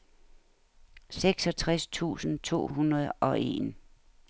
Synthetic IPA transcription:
seɡ̥sɒ̽t͡sʰʁast͡sʰṵːsn̩t͡sʰo̝̰ːɦunɐð̞̩ˠʔɒ̽ʔe̝̰n

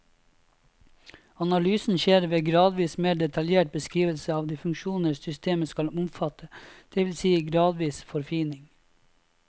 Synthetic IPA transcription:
ɑnɑlyːsn̩ʃeːɾʋeːɡɾɑːd̪ʋiːsmeːɖɛt̪ʰɑljeːʈ̚bəskɾiːʋəlsəɑːʋd̪iːfʉŋkʃuːnəsʏst̪eːməskɑlʊmfɑt̪ʰəd̪̥ɛʋɪlsiːɡɾɑːd̪ʋiːsfɔɾfiːnɪŋ

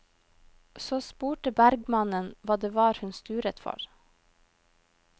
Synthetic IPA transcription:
soːspuːʈəbæɾɡmɑnənʋɑːd̪eːʋɑːɾhʉnst̪ʉːɾət̪fɔ̰ɾ

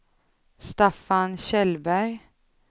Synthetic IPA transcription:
st̪afanɕɛlbæɾ

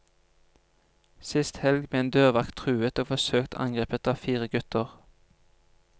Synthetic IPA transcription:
sɪst̪hɛlɡbeːeːnd̪øːʁʋɑkt̪ʰʁʉːət̪oːfɔsøːkt̪ʰɑ̰ŋɡʁeːpət̪ɑːfiːʁəɡʉt̪əʁ

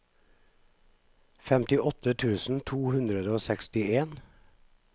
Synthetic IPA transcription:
fɛmt̪ɪʔɔt̪ʰət̪ʰʉːsn̩t̪ʰuːhʉnd̪ɾəd̪əoːsɛkst̪ɪeːn

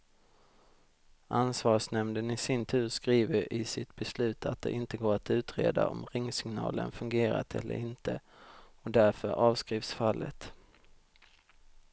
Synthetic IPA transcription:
ʔansvɑːʂnɛmnd̪ənɪsɪnt̪ʰʉ̟ːɾskɾiːvəɾɪsɪt̪bɛslʉ̟ːt̪ʰat̪̚d̪ɛ̰ʔɪnt̪əɡoːɾat̪ʉ̟ːt̪ɾḛːd̪a̰ʔɔ̰mɾɪŋːsɪŋnɑ̰ːlə̰nfɵŋɡeːɾa̰t̪ʰɛlːə̰ɾɪnt̪ʰəɔd̪æɾfœɾʔɑːvskɾiːfsfalːət̪

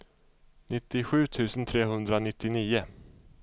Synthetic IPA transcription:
nɪt̪ːɪɧʉ̟ːt̪ʰʉ̟ːsənt̪ʰɾeːɦɵnd̪ɾanɪt̪ːɪniːʊ

